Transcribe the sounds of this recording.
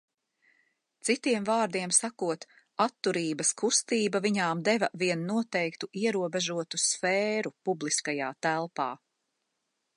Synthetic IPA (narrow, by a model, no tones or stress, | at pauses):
t̪sit̪iɛmvaːɾd̪iɛmsakuɔt̪ | at̪ːuɾiːbɐskust̪iːbɐviɲaːmd̪ɛvɐviɛnːuɔt̪ɛjkt̪uʔiɛɾuɔbɛʒuɔt̪usfɛːɾupublˠiskajaːt̪ælˠpɑ̰ː